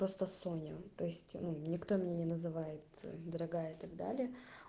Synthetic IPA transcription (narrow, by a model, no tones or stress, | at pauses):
pɾo̞st̪əsonʲət̪o̞ɪsʲtʲnunʲɪkt̪o̞mʲɪnʲenʲɪnəzɨvajɪt̪d̪əɾɐɡajəɪt̪ɐɡd̪a̰lʲɪjə